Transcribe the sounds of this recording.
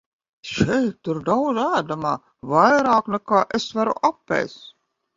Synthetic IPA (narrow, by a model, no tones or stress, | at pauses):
ʃɛjt̪t̪ːuɾd̪aw̪zæːd̪amaː | vajɾɑːknɛkaːʔesvaɾṵʔapːɛ̰js